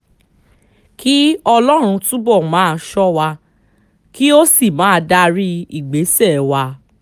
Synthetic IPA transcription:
ki˦ɔ˧lɔ˦ɾ̃ũ˧tũ˦bɔ˦˨mãː˦˧ʃɔ˦wa˧ | ki˦o˦si˦˨mãː˨˦˧da˧ɾi˦i˦˨ɡ͡be˨˦sɛ˦˨wa˧

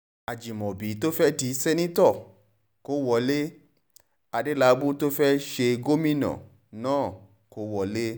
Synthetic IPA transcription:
a˨d͡ʒi˨mɔ̃˨bi˨˦to˦fɛ˦ti˧˦sɛ˦nĩ˦tɔ˦˨ | ko˨˦wɔ˧˦le˦ | a˧de˦la˧˦bu˦to˦fɛ˦ʃe˧ɡo˦mĩ˦nã̰˨ | nãː˦˨ | ko˦wɔ˧˨le˦

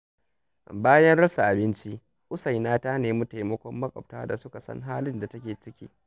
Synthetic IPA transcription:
baː˦jɐ˦nɽɐ˦sa˨ʔa˨bɪ˦nt͡ʃi˦ | ʔʊ˦sa˨jnaː˦ta˦neː˨mu˦ta˨jmɐ˦kʷɔ˦mːɐ˦kʼɐ̰˨p̚taː˦da˨sʊ˦ka˨sɐ̰˦ŋɦaː˦lɪ˦nda˨tɐ˦kʲeː˨t͡ʃɪ˦kʲḭː˦

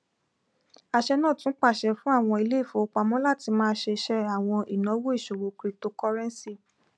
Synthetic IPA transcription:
a˧ʃɛ˧nãː˦˨tũ˦k͡pa˦˨ʃɛ˧fũ˦a˦˨w̃ɔ̃˧i˧le˦i˦˨fõ˨˦o˧k͡pa˧mɔ̃˦la˦˨ti˧mãː˦˧˦ʃe˧ʃɛ˧a˨w̃ɔ̃˧i˨nɔ̃˨˦wo˦i˦˨ʃo˨wo˨kɾi˨to˧kɔ˦ɾɛ̃˦n˦si˦˨

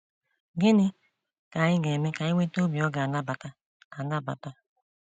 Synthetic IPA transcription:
ɡɪ˦nɪ˦ | ka˨ɲɪ˦ɡe˨me˦ka˨ɲi˦ŋʷe˦to˦bi˨ɔ˦ɡa˨na˦ba˨ta˦ | a˨na˦ba̰˨ta˦

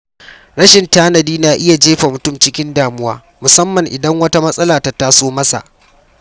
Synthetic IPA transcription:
ɽɐ˦ʃɪ˨ntaː˦nɐ˨diː˦naː˨ʔɪ˦ja˨d͡ʒeː˦ɸa˨mʊ˨tʊ˦˨mt͡ʃɪ˦kʲɪ˦ndaː˨mʊ˦waː˦ | mʊ˨sɐ˦mːɐ˨ŋʔɪ˨dɐ˦ŋwɐ˦ta˦mɐ˦sʼɐ˦laː˨ta˨taː˦soː˦mɐ˦sa̰˨ʔ

